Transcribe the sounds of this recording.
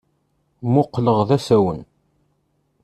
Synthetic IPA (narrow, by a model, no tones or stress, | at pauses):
mʊqːləʁðæsæwən